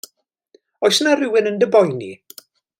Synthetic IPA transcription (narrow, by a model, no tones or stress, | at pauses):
ɔjsnarɪwɪnəndəbɔjnḭ